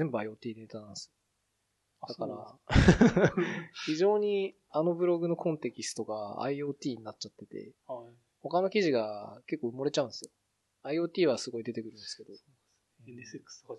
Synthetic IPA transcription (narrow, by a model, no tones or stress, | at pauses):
ẽ̞mbɯ̟aio̞ːt̪ʲiːne̞t̪anãnsɨjo | d̪akaɾa̰ | çiʑo̞ːɲ̟i | ano̞bɯ̟ɾo̞ɡɯ̟no̞kʰõ̞nt̪e̞kʲisɨ̥t̪o̞kaa̰io̞ːt̪ʲiːɲ̟inat͡ɕat̪ːe̞t̪e̞̰ | ho̞kano̞kʲiʑiɡake̞kːoɯ̟moɾe̞t͡ɕaɯ̃d̪esɨjo̞ | aio̞ːt̪ʲiːβasɨɡo̞id̪e̞t̪e̞kɯ̟ɾɯ̟̃nd̪esɨ̥ke̞d̪õ